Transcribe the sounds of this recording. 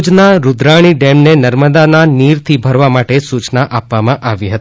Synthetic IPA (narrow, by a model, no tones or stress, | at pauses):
t͡ʃnaɾud̪ɾaɽ̃iɖemnenəɾməd̪ananiɾt̪ʰibʱəɾʋamaʈesut͡ʃnaʔapʋamãʔaʋiɦət̪i